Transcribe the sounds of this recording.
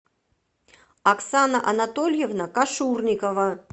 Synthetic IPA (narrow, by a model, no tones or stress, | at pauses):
aksanɐʔɐnat̪olʲjɛvnɐkaʂurnʲikəvɐ